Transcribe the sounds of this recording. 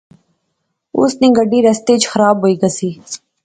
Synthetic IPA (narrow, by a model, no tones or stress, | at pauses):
ʊ̰snĩːɡəɖiːɾɐst̪et͡ʃxəɾaːbɦoːiːɡɐsiː